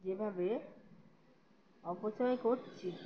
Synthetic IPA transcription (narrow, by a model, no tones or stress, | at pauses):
d͡ʑebʱabe | ɔpot͡ɕɔekoɾt͡ɕʰi